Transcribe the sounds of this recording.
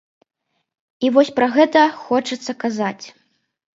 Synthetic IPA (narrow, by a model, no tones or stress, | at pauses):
ivɔsʲpɾɐɣɛt̪ɐxɔt͡ʂɐt̪sːɐkazat͡sʲ